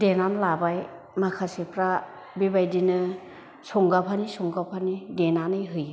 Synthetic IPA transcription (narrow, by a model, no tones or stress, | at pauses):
denanlabaj | makʰasipʰɾa | bibajdinɯ | sɔŋɡapʰanisɔŋɡapʰanidenanɯjɦɯj